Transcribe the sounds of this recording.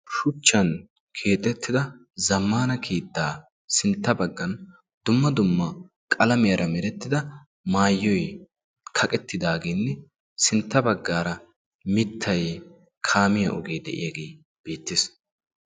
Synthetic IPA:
ʃʊt͡ʃːɐn | kʰe̞ːt̪ʼɛt̪ʰːɪd̪ɐ | zɐmːaːnɐkʰeːt̪ːaː | sɪnt̪ːɐbɐɡːɐn | d̪̥ʊmːɐd̪ʊmːɐ | kʼɐlɐmɛjɐɾʔɐmɛɾɛt̪ːɪd̪ɐ | maːjːɔj | kʰɐkʼɛt̪ːɪd̪aːɡeːnːɛ | sɪnt̪ːɐbɐɡːaːɾɐ | mɪt̪ʰːɐj | kʰaːmɪjɐ̰ʔɔɡeːd̪ɛ̰ʔɪ̰jɐɡe̞ː | b̥e̞ːt̪ːɪs

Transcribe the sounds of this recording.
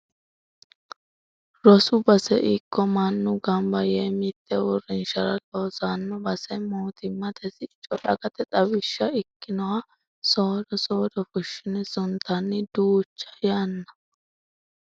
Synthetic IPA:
ɾɔsʊbɐsɛ̰ʔɪkːɔmɐnːʊɡɐmbɐjeːmɪt̪ːɛwʊrɪnʃɐɾɐloːsanːɔbɐsɛmuːt̪ʰɪmːɐt̪ʰɛsɪt͡ʃʼːɔᶑɐɡɐt̪ɛt̪ʼɐbɪʃːɐɪkːɪnɔwa | soːd̪ɔsoːd̪ɔfʊʃːɪnɛsʊnt̪ʰːɐnːɪd̪uːt͡ʃːɐ̥janːɐ̥

